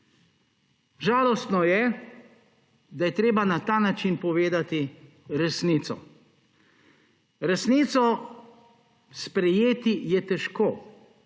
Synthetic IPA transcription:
ʒaːlɔst̪nɔjɛ | d̪ajɛt̪ɾeːbanat̪aːnat͡ʃinpɔʋeːd̪at̪i | ɾɛsniːt̪sɔ̰ | ɾɛsniːt̪sɔ | spɾɛjeːt̪ijɛt̪ɛʃkoː

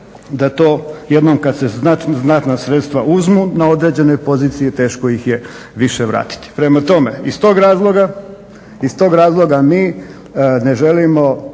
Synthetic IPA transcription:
d̪at̪o̞ːjed̪nomkad̪seznaznat̪nasɾe̞t̪st̪ʋauzmunao̞d̪ɾe̞d͡ʑe̞no̞jpo̞ziːt̪sijet̪e̞ːʃkojixje̞ | ʋiʃeʋɾa̰ːt̪i̥t̪i̥pɾe̞mat̪o̞me̞̰ist̪o̞ːɡɾaːzlˠo̞ɡa | ist̪o̞ɡɾaːzlˠo̞ɡamiː | ne̞ʒe̞limo̞

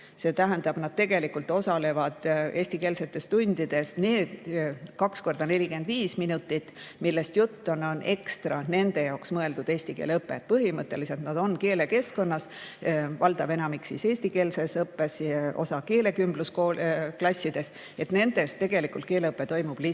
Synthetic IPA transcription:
se̞ːt̪æɦend̪ɑb̥nɑd̪̥̚t̪e̞ɡe̞likult̪o̞sɑle̞vɑd̪̥e̞ːsʲt̪ike̞ːlse̞t̪ːˑe̞st̪unʲd̪̥id̪̥e̞sne̞ːd̪̥kɑksko̞rd̪̥ɑne̞lʲike̞nd̪viːsminut̪ːˑit̪ːmilːe̞st̪jut̪ːono̞ne̞kst̪rɑne̞nd̪̥e̞jɑoksmɤe̞ld̪ud̪e̞ːsʲt̪ikeːleɤpːˑe̞̰t̪̚pɤɦimɤt̪ːˑe̞lise̞lt̪nɑd̪̥o̞nke̞ːle̞ke̞sko̞nːɑs | vɑld̪̥ɑbe̞nɑmiksise̞ːsʲt̪ike̞ːlsesɤpːe̞so̞̰sɑke̞ːle̞kymbluskoklɑsʲːid̪̥e̞s | e̞t̪ne̞nd̪̥e̞st̪e̞ɡ̥e̞likult̪̚ke̞ːleɤpːˑe̞t̪o̞jmub̥li

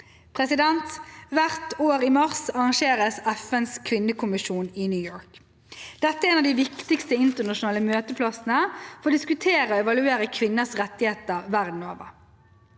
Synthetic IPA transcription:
pʰʁɛsɪd̪ɛnt̪ʋæʁt̪oːɾimɑʁsɑʁɑŋʃeːʁəsɛfənskʰʋɪnːəkʊmɪʃuːnɪnjʉːjoːɹk | d̪̥ɛt̪ːəæɾeːnɑʋd̪iːʋɪkt̪ɪkst̪əɪnt̪ənɑʃʊnɑːləmøːt̪əpʰlɑsn̩əfɔɾod̪ɪskʉt̪ʰeːɾəoːɛʋɑlʉeːɾəkʰʋɪnːəsʁɛt̪ːɪheːt̪əʁʋæʁd̪n̩o̰ːʋə̰ʁ

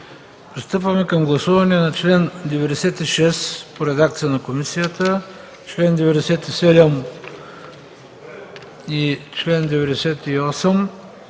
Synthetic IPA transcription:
pɾist̪ɤpvɐmɛkɐmɡlˠɐsuvɐnɛɛnɐt͡ʃlɛnd̪ɛvɛd̪ɛsɛt̪iʃɛspoɾɛd̪akt̪sijənɐkomisijət̪ə | t͡ʃlɛnd̪ɛvɛd̪ɛsɛt̪isɛd̪ɛm | it͡ʃlɛnd̪ɛvɛd̪ɛsɛt̪iɔsɛm

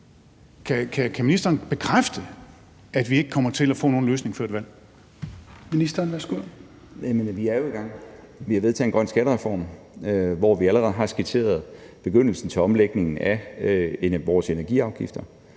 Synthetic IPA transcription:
kʰækʰækʰæminisd̥ɐːnb̥e̝kʰʁafd̥ə | æd̥ʋie̝ɡ̥əkʰɒ̽m̰ɐt͡sʰe̝læfɔ̰̽ːno̝ːnløːsne̝ŋføɐ̰d̥ʋæl̰ | minisd̥ɐːnʋæsɡ̥u | jæme̝ːnɐʋiæɐjo̝eɡ̥ɑ̈ŋ̰ | ʋihɑ̈ʋeðˠt͡sʰɛ̰ːenɡʁɶn̰sɡ̥æɾəʁɛfɒ̰ːm | ʋɒʋiæləʁɛð̩ˠɦɑ̈sɡ̥it͡sʰe̝̰ːɐð̞̩ˠb̥e̝ɡ̥øn̰l̩sn̩t͡sʰe̝ɒ̽mleɡ̥ne̝ŋn̩æ | ʋɒːse̝nɐɡ̥ḭɑ̈ʊɡ̥ifd̥ɐ

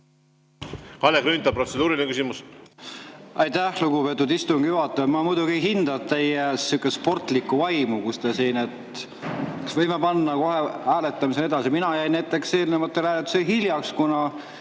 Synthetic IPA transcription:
kɑlekɾynt̪ːˑɑp̚ːrosed̪uːɾilʲnekysimus | ʔɑjt̪æhluɡupet̪ːˑud̪ist̪uŋɡ̥ijuɦɑt̪ːˑɑmɑmujd̪uɡiɦind̪̥ɑd̪t̪e̞jesukːˑespo̞rt̪ˑlikːˑuvɑjmukust̪esiːnet̪ | ksvɤjmepɑnːɑko̞heæːle̞t̪ːˑɑmis̬ene̞d̪ɑsiminɑjæjnæjt̪ːˑe̞kse̞ːlinemɑt̪ːˑeɾæːlet̪ːu̥seɦiljɑkskunɑ

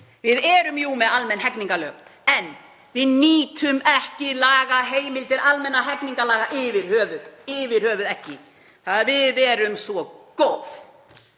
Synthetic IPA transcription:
vɪðɛɾʏmjumɛðalmɛnɦɛkniŋkalœːkɛn | vɪðniːt̪ʰʏmɛhcɪlaːɣaɦeːjmɪlt̪ɪɾalmɛnːaɦɛkniŋkalaːɣaʔɪvɪɾ̥hœːvʏðɪvɪɾ̥hœːvʏðɛhcɪ | θaðɾvɪðɛɾʏmsvɔkowf

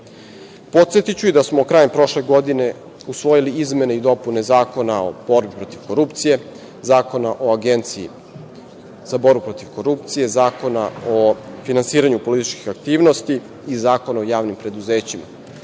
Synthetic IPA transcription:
po̞t̪set̪it͡ɕuid̪asmokɾaːjempɾo̞ʃle̞ɡo̞d̪ine̞ | usʋo̞jiliizme̞ne̞id̪o̞pune̞zaːko̞nao̰bo̞ɾbipɾo̞t̪iʋko̞ɾupt̪sije̞ | zaːko̞naʔo̞aɡent̪siḭ | zabo̞ɾbupɾot̪iʋko̞ɾup̚t̪sije̞zaːko̞naofinansiːɾaɲupo̞lit̪i̥t͡ʃkixakt̪iːʋno̞st̪iː | zaːko̞naojaːʋnimpɾe̞d̪uzeːt͡ɕima̰

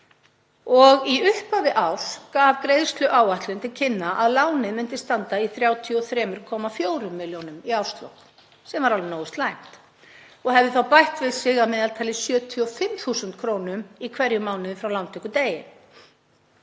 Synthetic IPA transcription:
ɔɣiʏhpavɪʔawθkavkɾejð̥st̪lʏʔaːwaht̪lʏnt̪ʰɪlcʰɪnːaʔaðlaːwnɪðmʏn̥t̪ɪst̪ant̪aiθɾjaːwt̪ʰiɔθɾɛːmʏɾ̥kʰɔːmafjoːwɾʏmːɪljownʏmiawst̪lo̰whn | sɛmvaɾalnoːwʏst̪lajm̥t̪ | ɔɣɦɛvðʏθawpajht̪vɪðsɪɣamɪðalt̪ʰaːlɪsjœːt̪ʰiɔfɪmːθuːsʏnt̪kʰɾoːwnʏmikʰvɛɾjʏmaːwnʏðɪfɾawlawnt̪ʰʏkʏt̪eːjɪ̰n

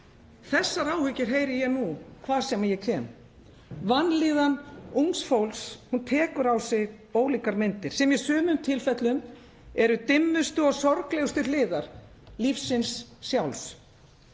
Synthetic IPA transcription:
θɛsːaɾaːwhʏcɪɾ̥ɦeːjɾɪjɛnukʰvḁːsɛmajɛcʰɛːm | vanːliːðanuŋsfowlshunt̪ʰɛːkʏɾawsɪɣ | oːwliːkaɾmɪnt̪ɪɾ̥sɛmjɛsʏːmʏmt̪ʰɪlfɛt̪lʏm | ɛɾʏt̪ɪmːʏst̪ʏɔɣsɔɾklɛɣʏst̪ʏlɪːðaɾ̥ | lifsɪnsːjawls

